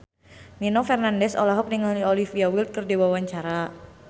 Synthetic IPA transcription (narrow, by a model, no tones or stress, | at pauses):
ninofɛrnandɛsɔ̰laɦɔk̚niŋalolifiawilt̪̚kərdiwawaɲt͡ʃaɾa